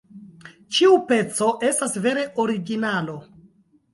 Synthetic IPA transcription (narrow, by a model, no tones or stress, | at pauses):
t͡ʃiupe̞t͡so̞ʔe̞stasve̞ɾe̞ʔo̞ɾiɡinalo̞